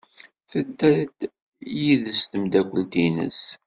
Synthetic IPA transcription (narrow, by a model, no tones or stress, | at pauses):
θəd̪æd̪ | jiðəst̪əmd̪ækʷːəlt̪inə̰s